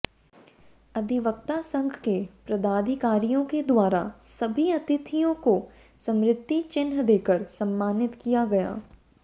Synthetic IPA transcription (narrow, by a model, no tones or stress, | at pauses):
ɐd̪ʱɪʋək̚t̪asɐ̃ŋɡʱkepɾɐd̪aːd̪ʱɪkaːɾijõked̪waːɾa̰sɐbʱiɐt̪ɪt̪ʰijõko | sɐ̃mɾɪt̪ːit͡ʃɪnɦəd̪eːkəɾsɐmːaːnɪt̪kijaɡɐja̰ː